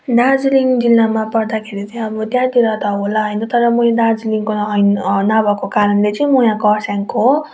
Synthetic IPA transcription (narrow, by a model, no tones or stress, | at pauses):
d̪ad͡ziliŋd͡zilːamapʌrd̪akʰeɾit͡sʌĩʌbʌd̪jat̪iɾʌt̪ʌɦolaɦʌjnʌt̪ʌɾʌmuẽd̪ad͡ziliŋkoɦʌjnnabʱʌkokaɾʌnlet͡sʌ̃mujãkʌsjaŋko